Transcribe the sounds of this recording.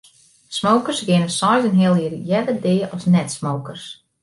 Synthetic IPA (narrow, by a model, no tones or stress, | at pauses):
smowkərsɡɪnəsɔjzənɦɪəlˠɪərjɛdədɪːʔɔsnɛtsmowkərs